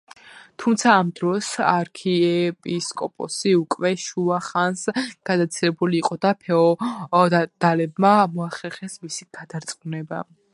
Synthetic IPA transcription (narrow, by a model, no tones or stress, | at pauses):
t̪ʰumt̪sʰaːmd̪ɾɔsaɾkʰiɛpʼiskʼɔpʼɔ̰siukʼwɛʃuaχansɡ̥ad̪at̪sʰilɛbuliːqʼɔd̪apʰɛɔ | d̪̥alɛbmamɔaχɛɾχɛsmisiɡ̥ad̪aɾt̪sʼqunɛba̰